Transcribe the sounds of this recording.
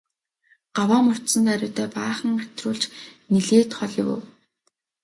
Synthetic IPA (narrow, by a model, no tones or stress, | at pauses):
ɢ̥awaːmʊr̥t̪sə̆nt̪æɾʲʊːt̪ʰœːpaːχə̆ŋɢat̪rʊːɮt͡ɕniɮeːt̪χɔɮɪ̆wʊ̰w